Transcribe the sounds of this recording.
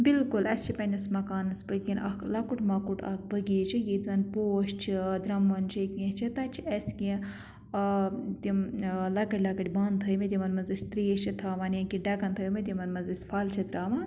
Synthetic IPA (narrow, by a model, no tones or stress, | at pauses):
bilkulɐst͡ʃʰipɐnʲɐsmɐkaːnɐspɐkʲinʔɐ̰klɐkuʈmɐkuʈɐ̰k̚bɐɡiːt͡ʃʰijizɐnpoːʃt͡ʃʰid̪ɾɐmʋɐnt͡ʃʰɐkĩt͡ʃʰit̪ɐt͡ʃʰiɐskĩ | t̪imlɐkɐɽʲlɐkɐʈʲbaːnt̪ʰəːmet̪ʲimɐnmɐnzisʲt̪ɾieʃit̪ʰaːʋɐːnjɐ̃kiɖɐkɐnt̪ʰɐjmet̪ʲimɐnmɐnzispʰaːlt͡ʃʰɐd̪ɾaːmɐ